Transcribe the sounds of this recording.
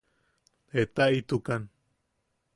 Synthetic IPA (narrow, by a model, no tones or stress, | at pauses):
et̪ait̪ukan